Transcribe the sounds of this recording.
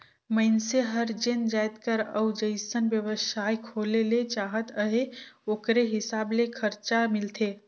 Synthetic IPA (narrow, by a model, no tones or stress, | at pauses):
mənseɦəɾd͡ʒɪnd͡ʒaːjt̪kəɾə̰wd͡ʒəɪsənbjəʋəsaːjkʰoːlelet͡ʃaːɦət̪əɦeoːkɾeɦɪsaːblekʰəɾt͡ʃamɪlt̪ʰeː